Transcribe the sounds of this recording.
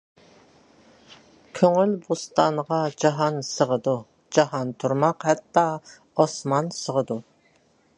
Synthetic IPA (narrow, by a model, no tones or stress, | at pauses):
kʲʰøŋylbust̪ɑnʁɑd͡ʒɑɦɑnsəʁəd̪u | d͡ʒɑɦɑnt̪ʰuɾmɑqhɛt̪ːɑ | ɔsmɑnsəʁəd̪u